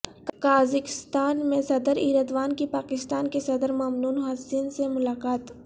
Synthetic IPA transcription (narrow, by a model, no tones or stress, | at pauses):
kaːzɪkɪst̪aːnmẽsɐd̪əɾiːɾəd̪ʋaːnkipaːkɪst̪aːnkesɐd̪əɾmaːmnuːnɦaːsinsemʊlaːkaːt̪